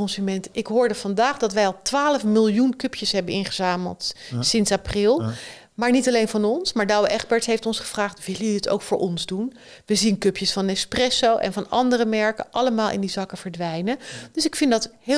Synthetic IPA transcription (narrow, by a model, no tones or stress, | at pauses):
ɔnsymɛntɪkɦʊːɹdəvɑndaːχdɑtʋɛjɑlˠtʋaːləfmɪlˠjunkɵpjəsɦɛbənɪnχəzaːmə̰lˠtsɪnsaprɪlˠ | maːɹnitɑlejnvɑnɔnsmaːɹdɑwəʔɛχbɛɹtɦejftɔnsχəv̥raːχtʋɪlˠəɪto̰wkfʊːɹʔɔnzdun | ʋəzinkɵpjəsfɑnɛsprɛsowʔɛ̰nvɑnɑndərəmɛɹkəʔɑləmaːlˠʔɪ̰ndizɑkəvəɹdʋɛjnəd̥øsɪkfɪndɑtɦ